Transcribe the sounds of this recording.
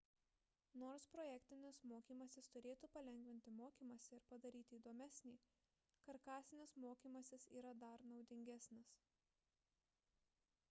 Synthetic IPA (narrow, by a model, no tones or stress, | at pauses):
noːɾspɾoːjækʲt̪ʲɪnʲɪsmoːkʲiːmɐsʲɪst̪ʊɾʲeːt̪uːpɐlʲɛŋʲɡʲʋʲɪnʲt̪ʲɪmoːkʲiːmɐsʲɛɪɾpɐd̪ɐɾʲiːt̪ʲɪːd̪oːmʲɛsʲnʲiː | kɐɾkɑːsʲɪnʲɪsmoːkʲiːmɐsʲɪsḭːɾɐd̪ɐɾnɒʊd̪ʲɪŋʲɡʲæsʲnʲɪs